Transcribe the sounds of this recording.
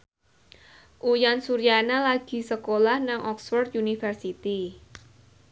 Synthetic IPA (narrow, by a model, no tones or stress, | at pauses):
ʔujansuɾijanalaɡ̥i̤səkolahnaŋʔɔksfɔrd̪t̪̚junifərsit̪i